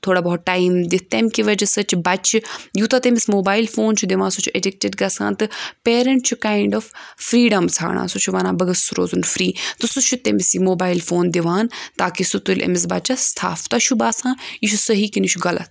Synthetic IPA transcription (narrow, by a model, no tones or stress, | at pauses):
t̪ʰoːɽaːbɔɦ̚ʈːaːimd̪it̪emkiʋɐd͡ʒɐsɐt͡ʃʰbɐt͡ʃʰjuːt̪ɐt̪emismoːbaːjilfoːnt͡ʃʰud̪eʋãːnsut͡ʃʰuʔeɖɪk̚ʈeɖɡɐsa̰ːnt̪ɨpeːɾɐɳʈt͡ʃʰukaːiɳɖɔːffɾiːɖɐmt͡sʰa̰ːɽʔã̰ːsut͡ʃʰuʋaːnãːbɐɡɐsɾo̰ːzunfɾiːt̪ɨsut͡ʃʰut̪emisimoːbaːilfoːnd̪iʋaːnt̪aːkisut̪ulʲʔɐ̰mɪs̬bɐt͡ʃɐst̪ʰa̰ːft̪ɐʃʰubaːsãːjiʃʰusɐɦiːkinit͡ʃʰuɡɐlɐ̰t̪